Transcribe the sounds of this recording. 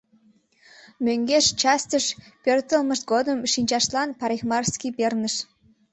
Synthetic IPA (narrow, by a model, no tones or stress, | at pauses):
mʲøŋɡʲeʃt͡ɕɑst̪əʃpʲørʲt̪ə̆lˠmə̆ʃɡod̪ə̆mʃinʲt͡ʃɑʃlˠɑnpɑɾʲexmɑrskʲibʲernə̆ʃ